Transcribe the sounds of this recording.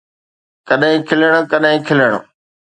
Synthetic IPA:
kɐɗɦɪ̃kʰɪləɽ̃kɐɗɦɪ̃kʰɪləɽ̃o̰

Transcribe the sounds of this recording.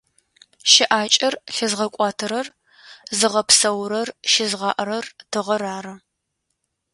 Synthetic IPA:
ʃɪʔaːt͡ʃʼɐrɬɪzʁɐkʷʼɑːtʰɨɾɐr | zɨʁɐpsɐwɾɐrʃɪzʁɑːʔɾɐrtʰɨʁɐɾaːrɐ

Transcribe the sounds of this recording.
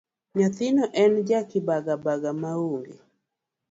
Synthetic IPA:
ɲat̪ɪnɔʔɛnd͡ʒakɪbaɡabaɡamauŋɡḛ

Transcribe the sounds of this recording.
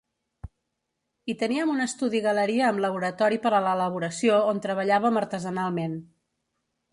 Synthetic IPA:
it̪əniəmunəst̪uðiɣələɾiəːmləβ̞uɾət̪ɔɾipəɾələləβ̞uɾəsioont̪ɾəβ̞əʎaβəməɾt̪əzənalˠmen

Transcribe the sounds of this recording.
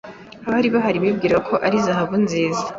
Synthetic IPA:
aβaɾiβaɦaɾiβibɡiːɾakʰo̞ʔaɾizaɦaβunziːza

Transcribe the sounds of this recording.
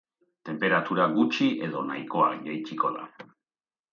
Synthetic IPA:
t̪e̞mpe̞ɾat̪uɾaɡut͡ʃiʔe̞ðo̞najko̞a̰kʝajt͡ʃiko̞ða̰

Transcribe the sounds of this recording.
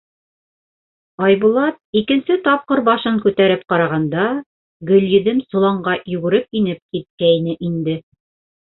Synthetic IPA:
ɑjbulˠɑt̪̚ikɘ̆nsɘt̪ɑp̚qɤɾbɑʃɤŋkʉt̪æɾɘp̚qɑɾɑʁɑnd̪ɑ | ɡɵ̆lʲjɘ̆d̪ɘmsŏlˠɑɴɢɑjʉɡɘ̆ɾɘp̚inɘp̚kit̪̚kæinɘʔind̪ɘ

